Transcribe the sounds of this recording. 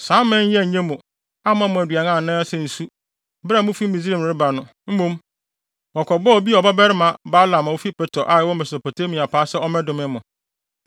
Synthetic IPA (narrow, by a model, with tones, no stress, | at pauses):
sãː˨˦mɪ̃˦ɲ˦jɛ˦˨ɲɛ̃˦mũ˨ | a˦m˦ã˦mʊ̃˨æ˨dɥa˨nã˦˨nã˦sɛ˨n̩˨su˦ | bɾa˦˨mʊ̃˦fi˦mĩ˨zɾe˨m˨ɾɪ˦ba˨nʊ̃˨ | m̩˦mõ˦m | ɔ˨kʰɔ˨bɔ˦ɔ˨bi˦ɔ˨ba˦bɛ˦ɾɪ˦mã˨ba˦lã˨ma˨wo˦fi˦pɛ˦tʰɔ˨ʔa˨wɔ˦mɛ˨so˨po˨tʰe˦mĩ˨a˨pʰaː˦sɛ˦ɔ˦mɛ̃˦dʊ̃˨mɪ̃˦mʊ̃˨